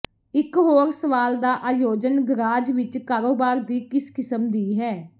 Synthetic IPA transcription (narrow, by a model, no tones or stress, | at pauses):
ɪkɦoːɾsəʋaːld̪aːʔaːjoːd͡ʒənɡɾaːd͡ʒʋɪt͡ʃkaːɾoːbaːɾd̪iːkɪskɪsəmd̪iːɦɛː